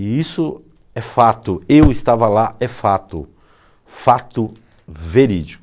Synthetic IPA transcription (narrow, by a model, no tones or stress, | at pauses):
isʊ | ɛfat̪ʊewɪst̪avɐlaɛfat̪ʊ | fat̪ʊ | veɾid͡ʒi